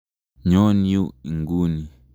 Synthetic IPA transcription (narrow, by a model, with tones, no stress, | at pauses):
ɲɔ˦ni˦u˦i˨ŋɡu˦ni˨